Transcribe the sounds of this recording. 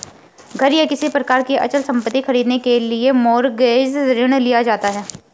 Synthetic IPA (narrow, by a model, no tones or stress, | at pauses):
ɡʱɐɾjakɪsipɾɐkaːɾkeʔɐ̰t͡ʃəlsɐ̃mpət̪ːixɐɾiːd̪nekeliemɔːɾɡeːzɾɪɽ̃lijad͡ʒaːt̪aɦɛː